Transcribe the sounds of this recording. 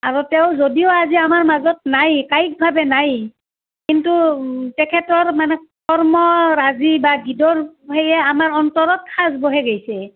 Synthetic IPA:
aɹutɛʊzodioaziamaɹmazɔtnajkajk̚bʱabɛnaj | kintutɛkʰɛtɔɹmanɛkɔɹmɔɹazibaɡidɔɹɦejɛamaɹɔntɔɹɔtkazboɦɛɡejsɛ

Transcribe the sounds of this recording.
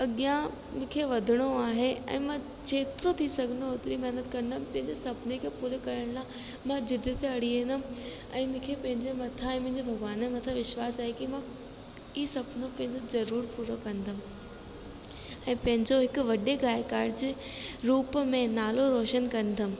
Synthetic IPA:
ɐɠijã | mʊ̃ːkʰeʋɐd̪ʱɪɽ̃oaːɦeɛ̰̃ːmã | t͡ɕeːt̪ɪɾot̪ʰisɐɡʱənd̪ooːt̪ɪɾimɐɦnət̪kɐ̃ɾnd̪əmpɐ̃ɦɪ̃ɲd͡ʑesɐbnekʰeːpuːɾekɐɾəɽ̃lã | mãd͡ʑɪd̪it̪eɐɽ̤ienəm | ɛ̰̃ːmʊ̃ːkʰepɐ̃ɦɪ̃ɲd͡ʑemɐt̪ʰaɛ̃ːmɐ̃ɦɪ̃ɲd͡ʑebʱɐɡʋaːnẽmɐt̪ʰaʋɪʃwaːsaːɦekimã | isɐbnopɐ̃ɦɪ̃ɲd͡ʑozɐɾuːɾpuːɾokɐ̃nd̪ʱəm | ɛ̃ːpɐ̃ɦɪ̃ɲd͡ʑoɦɪkʊʋɐɗeɡaːɪkaːɾɖd͡ʑeːɾuːpmẽnaːloɾoːʃənkɐ̃nd̪ʱəm̆

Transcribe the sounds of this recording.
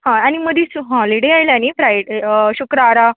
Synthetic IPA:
ɦãaɽ̃iməd̪ʱiːsɦɔliɽeajlañifɾajɖɕukɾaːɾa

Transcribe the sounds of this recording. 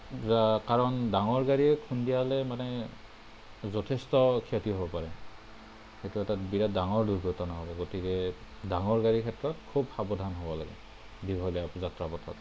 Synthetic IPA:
kaɹɔndaŋɔɹɡaɹiɛkʰundijalɛmanɛ | zɔtʰɛstɔkʰiatiɦobɔpaɹɛ | xetuɛtabiɹadaŋɔɹduɹɡɔtɔnɔɦɔbɔɡotikɛdaŋɔɹɡaɹikʰɛtɹɔt̚kʰubhabɔdʱanɦobɔlaɡɛ̰ | diɡɦɔjlɛazatɹapɔtʰɔ̰t

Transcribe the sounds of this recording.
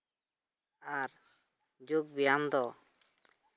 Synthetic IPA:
aɾ | d͡ʒoɡ̚bijamd̪ɔ

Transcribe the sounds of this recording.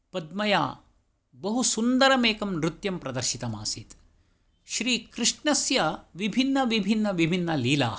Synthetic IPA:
pɐd̪̚mɐja̰ː | bɐɦusund̪ɐɾɐmeːkɐmɾut̪jɐmpɾɐd̪ɐɾʃit̪ɐma̰ːsit̪ | ʃɾiːkɾɪʂɳɐsjɐʋibʱinːɐʋibʱinːɐʋibʱinːɐliːla̰ː

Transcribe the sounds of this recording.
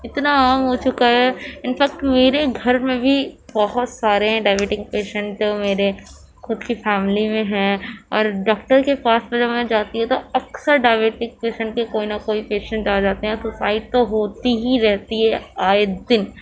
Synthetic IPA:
ɪt̪naaːmɦot͡ʃʊkaɦɛɪnfɛk̚ʈmeːɾeɡʱɐɾmẽbʱibɔɦʊt̪saːɾeɦɛ̃ɖaːɪʋeːʈɪ̃ŋɡ̚peːʃə̃ɳʈomeːɾe | xʊd̪kifɛːmɪlimẽɦɛ̃ɔːɾɖɔːk̚ʈəɾkepaːsmɐ̃d͡ʒɐbmɛ̃d͡ʒaːt̪iɦɛ̃t̪oɐksəɾɖaɪʋeːʈɪŋk̚peːʃə̃ɳʈ̚kekoːinɐkoːipeːʃə̃ɳʈ̚d͡ʒaːd͡ʒaːt̪eɦɛɾsʊsaːɪʈ̚t̪oɦoːt̪iɦiɾɛɦt̪iɦɛaːed̪ɪn

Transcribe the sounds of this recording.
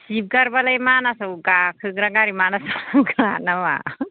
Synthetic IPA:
sip̚ɡaɾbalajmanasɯwɡakʰɯɡɾaɡaɾimanasaaɡɾanama̰

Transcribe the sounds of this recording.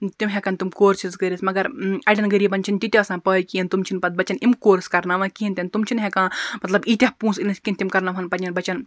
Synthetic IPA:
t̪imɦekɐnt̪umkoːɾsʰizɡəɾʲismɐɡɐɾɐɖʲɐnɡəɾiːbɐnʲt͡ʃʰint̪it̪ʲɐɐsãːpəːjkiint̪umt͡ʃʰinpɐd̪̚bɐt͡ʃɐnimkoːɾskɐɾnaːʋãːkiint̪ʲɐnt̪umt͡ʃʰinɦekãːmɐt̪lɐbit̪ʲɐɦpũːsinɐskʲint̪imkɐɾnɐʋɦɐnpɐnʲɐnbɐt͡ʃɐn

